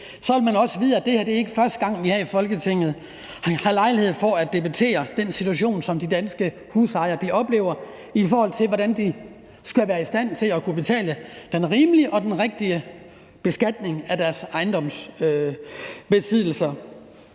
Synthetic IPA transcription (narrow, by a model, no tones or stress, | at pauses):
sɒʋelmænɒ̽səʋiːðˠæd̥e̝hæɐd̥e̝æe̝ɡ̥əfɶɐsd̥əɡ̥ɑ̈ŋ̰ʋihɑifɒ̽lɡ̥ət͡sʰe̝ŋ̰ð̩ˠ | hɑ̈lɑ̈ɪlihe̝ð̞̰ˠfɒ̽æd̥e̝b̥æt͡sʰe̝̰ːɐd̥ensit͡sʰuæɕ̬o̝̰ːnsɒ̽md̥id̥ænsɡ̥ə | husɑ̈ɪɐd̥iʔɒ̽b̥le̝̰ːʊɐ | ifɒːhɒ̽l̰t͡sʰeʋɒɾænd̥i | sɡ̥æʋæːɐisd̥æn̰t͡sʰe̝lækʰub̥e̝t͡sʰɛ̰ːləd̥enʁiːmliəʔɒ̽d̥enʁeɡ̥̚d̥iə | b̥e̝sɡ̥æd̥ne̝ŋæd̥æɐsɑ̈ɪnd̥ɒ̽msø | b̥e̝sið̰ˠl̩sɐ